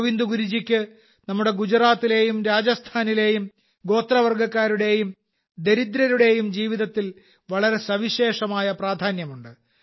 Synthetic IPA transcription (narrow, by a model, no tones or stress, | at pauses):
ʋind̪uɡuɾid͡ʑikʲːɨ | nɐmːuɽe̞ɡud͡ʑraːt̪ːile̞ːjumɾaːd͡ʑɐst̪ʰaːnile̞ːjum | ɡo̞ːt̪rɐʋɐrɡɐkːaːɾuɽe̞ːjum | d̪e̞ɾid̪ɾɐɾuɽe̞ːjumd͡ʑiːʋiðɐt̪ːil | ʋɐɭɐɾe̞sɐʋiɕe̞ːʂɐmaːjɐpraːd̪ʱaːnjɐmuɳɖɨ